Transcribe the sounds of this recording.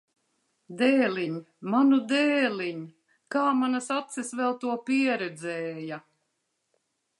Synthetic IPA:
d̪ɛːlʲiɲ | manud̪ɛːlʲiɲ | kaːmanasat̪sisvɛlˠt̪uɔpiɛɾɛd̪zɛːja

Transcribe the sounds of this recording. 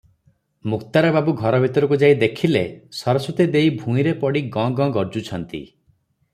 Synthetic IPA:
mukt̪aɾɔbabuɡʱɔɾɔbʱit̪ɔɾɔk̬ud͡ʒajd̪ekʰilesɔɾɔsut̪id̪ejbʱũiɾepɔɽiɡɔ̃ɡɔ̃ɡɔɾd͡ʒut͡ʃʰɔnt̪ḭ

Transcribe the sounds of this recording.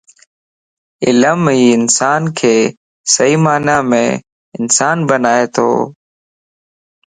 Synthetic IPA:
ɪ̰ləmɦiːɪnsaːnkʰeː | səɦiːmaːnaːmḛ̃ː | ɪnsaːnbənaːeːt̪ʰo̰ː

